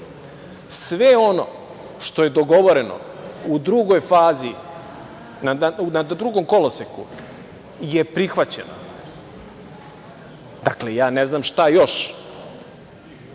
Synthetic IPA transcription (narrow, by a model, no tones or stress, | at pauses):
sʋeo̞no̰ | ʃt̪o̞je̞d̪oɡo̞ʋo̞ɾeno̰ud̪ɾuɡo̞jfaːzi | naunad̪d̪ɾuɡo̞mko̞losekṵ | jepɾixʋat͡ɕḛno̰ | d̪aklejaːneznaːmʃt̪ajo̞ʃ